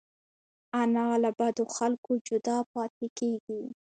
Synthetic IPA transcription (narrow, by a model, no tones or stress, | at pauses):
anɑlabad̪oxalkod͡ʒʊd̪ɑpɑt̪ekeɡi